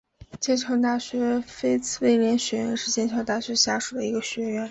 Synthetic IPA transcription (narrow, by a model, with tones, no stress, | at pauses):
t͡ɕjɛ˥nʈ͡ʂʰɑ˧˥ŋt̪̬a˥˩ɕɥɛ˧˥fe˥ɪt͡sʰɹ̩˥˧we˥˩ɪljɛ˧˥nɕɥɛ˧˥ɥɛ̰˧˥nʂɻ̩˥˩t͡ɕjɛ˥nʈ͡ʂʰjɑ˧˥ʊt̪a˥˩ɕɥɛ˧˥ɕja˥ʂu˨˩d̪ə˦i˧˥ɡə˧ɕɥɛ˧˥ɥɛ˥˩n